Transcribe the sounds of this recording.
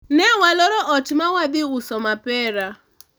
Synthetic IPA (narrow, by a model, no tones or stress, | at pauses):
nɛwalɔɾɔʔɔtimawadɪʊsɔmapɛːɾa